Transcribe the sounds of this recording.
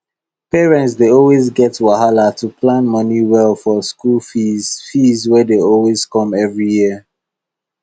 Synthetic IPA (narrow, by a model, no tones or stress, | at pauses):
pɛɹɛ̃ntsdeɔlˠwezɡɛtwaɦalatupʰlãnmʌniwɛlfɔskulifizwɛdeɔlwezkɔ̃mɛvɹijiə